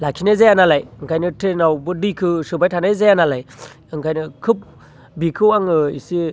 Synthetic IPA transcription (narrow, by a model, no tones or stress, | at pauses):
lakʰinazajanalajŋkʰajnɯtʰenawbɯdikʰɯsɯbajtʰanazajanalaj | ɯŋkʰajnɯkʰɯp̚ | bikʰɯwaŋɯḭsi